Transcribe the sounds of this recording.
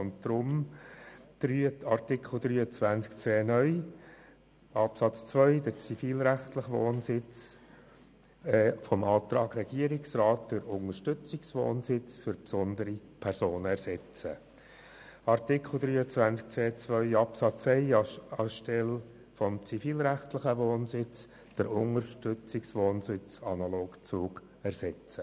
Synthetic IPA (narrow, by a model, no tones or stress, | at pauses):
ʊntdɾʊm | d̥ɾyːəɑrtɪkχl̩d̪ɾyːət͡svænskt͡seːnœʏ | ɑpsɑt͡st͡sʋœʏd̥əɾt͡sifiːlɾæχt̪ləχʋoːnsɪt͡s | fɔmɑːt̪ɾɑːɡ̥ɾɛɡ̥iəɾɪksrɑːtd̥əɾʊŋəʃtʏt͡sɪksʋo̰ːnsɪt͡sfʏɾpsɔnd̪əɾi | pʰɛɾsoːnəæɾsɛt͡sə̰ | ɑrtɪkʰl̩ˠd̪ɾyːət͡svænt͡sk̚t͡seːt͡svœʏɑpsɑt͡sɛɪɑʃtɛl | fɔmt͡sifiːlɾæχtlɪχəʋoːnsɪt͡s | d̥əɾʊŋəɾʃtʏt͡sɪksʋoːnsɪt͡sɑnɑloːkt͡suːɡ | ɛɾsɛt͡sə